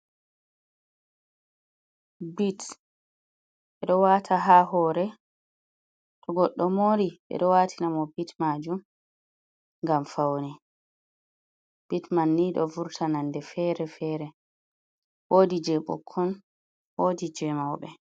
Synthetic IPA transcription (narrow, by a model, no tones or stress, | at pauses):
bit | ɓɛɗɔwaːtʰaɦaɦɔːɾɛ | tʰɔɡɔɗːɔmoɾiɓɛ̰ɗɔwaːtʰinamɔbitmad͡ʒum | ŋɡamfawnɛ | b̥itmanːiɗɔ̰vuɾtʰanandɛfɛɾɛfɛːɾɛ | woːdid͡ʒɛɓɔ̰kʰːɔn | woːdid͡ʒɛmawɓɛ